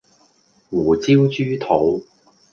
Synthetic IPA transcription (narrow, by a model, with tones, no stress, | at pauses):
wuː˨˩t͡siː˥wt͡ʃyː˥t̪ʰo˨˥w